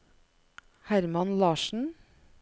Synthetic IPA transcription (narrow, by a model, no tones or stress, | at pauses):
hæɾmɑnlɑːʃn̩